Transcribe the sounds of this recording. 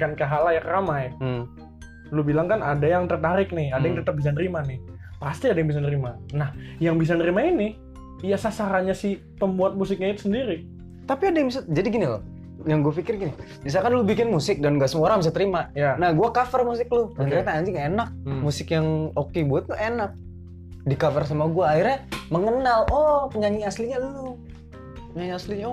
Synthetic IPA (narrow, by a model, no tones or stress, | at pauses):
kankaɦalajakɾamaj | lʊbilaŋkanadajaŋt̪ərt̪aɾɪk̚nɪhadajaŋt̪ət̪əp̚bis̬anəɾimanɪh | past̪iadajaŋbisanəɾimanahjaŋbis̬anəɾimainɪ | ijasasaɾaɲasɪh | pəmbuat̪̚musɪk̚ɲait̪u̥səndiɾi | t̪apiadajŋbisad͡ʒadiɡinilɔ̰ | jaŋɡuafikɪrɡini | bis̬alkanlʊbikɪnmusɪk̚danŋɡaʔsəmuoɾaŋbis̬at̪əɾimajnahɡuakafərmus̬ɪklʊdant̪əɾɲat̪aaɲd͡ʒɪŋaenak̚musɪkjaŋokebuat̪̚lʊʔenak̚ | dikafərs̬amaɡuaːɪrɲaməŋənalɔpəɲaŋiasliɲalu | pəɲaŋiasliɲa